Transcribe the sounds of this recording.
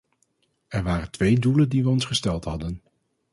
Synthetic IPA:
ɛɹʋaːrəntʋejduləndiʋəɔnsχəstɛlˠtɦɑdən

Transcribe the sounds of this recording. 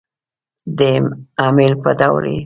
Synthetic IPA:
d̪əɑmɪlpəd̪awlḛ

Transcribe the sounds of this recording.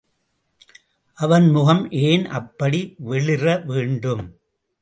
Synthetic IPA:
ʔɐʋɐnmʊɣɐmʔeːnʔɐ̰pːɐɽiʋɛɭɪrɐʋeːɳɖɯm

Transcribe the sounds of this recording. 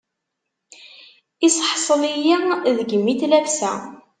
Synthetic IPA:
isħsˤəlijiðəɡəmːiθlævsæ̰

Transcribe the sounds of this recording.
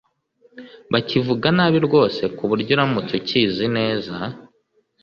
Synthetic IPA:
βacivuɡanaːβiɾɡo̞ːse̞kuβuɾɟoɾamutuciːzine̞ːza

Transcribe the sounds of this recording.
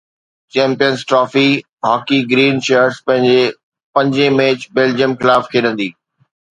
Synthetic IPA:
t͡ɕɛ̃ːmpijənzʈɾɔːfi | ɦaːkiɡɾiːnʃeːəɾzpɐ̃ɦɪ̃ɲd͡ʑe | pɐ̃ɲd͡ʑemeːt͡ɕbeːld͡ʑijəmxɪlaːfkʰeːɗə̃nd̪iː

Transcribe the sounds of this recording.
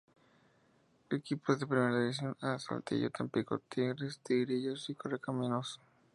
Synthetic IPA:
ekipoðepɾimeɾaðiβis̬jo̞nasa̰lt̪ḭʝo̰t̪ʰempiko̰t̪iɣɾest̪iɣɾiʝosikorekamĩnoso̥

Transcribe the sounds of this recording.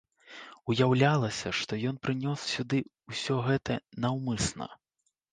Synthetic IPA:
ujawlʲalˠɐsʲɐʂt̪ɔjɔn̪pɾɨnʲɔssʲud̪ɨusʲɔɣɛt̪ɐnɐwmɨsnɐ̰

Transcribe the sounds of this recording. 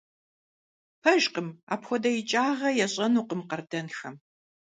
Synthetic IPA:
pʰɐʒqəma̰ːpxʷɔdɐjɪt͡ʃʼaːʁɐjɛɕʼɐnuːqəmqɐrdɐnxɐm

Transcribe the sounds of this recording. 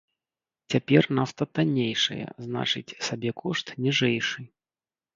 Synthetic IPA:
t͡sʲapʲɛrnast̪ɐt̪anʲejʂɐ̰jɐ̰zna̰t͡ʂɨt͡sʲsabʲɛkʰɔʂt̪nʲɛʐɛjʂɨ

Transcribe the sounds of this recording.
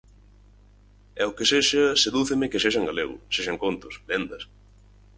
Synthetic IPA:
ɛʊkeseʃɐseðuθɪmɪkɪseʃɐŋɡaleɣʊ̰seʃɐŋkont̪ʊsbend̪ɐs

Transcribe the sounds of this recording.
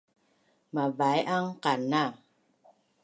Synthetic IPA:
mabajʔaŋkanːa

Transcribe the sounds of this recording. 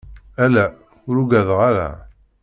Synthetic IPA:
ælæ | ʊɾuɡæðʁaɾæ̰

